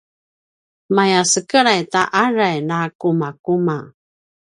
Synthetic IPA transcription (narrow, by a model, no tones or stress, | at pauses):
majasəkəɾajtaʔaɾajnakumakuma